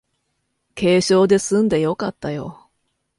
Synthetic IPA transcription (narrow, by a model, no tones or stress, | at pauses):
ke̞ːɕo̞ːd̪e̞sɨ̃nd̪ejo̞kat̪ːajo̞̰